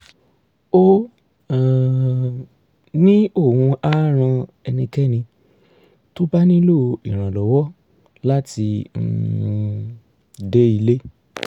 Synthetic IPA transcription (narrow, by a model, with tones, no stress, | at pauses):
o˦ | a˨ | nĩ˦o˦˨hũ˧a˦ɾ̃ã˧ɛ˧nĩ˧kɛ˦nĩ˧ | to˦ba˦nĩ˦lo˦˧ḭ˨ɾ̃ã˨lɔ˨wɔ˦ | la˦ti˧n̩̰˧˦˧ | de˦i˧le˦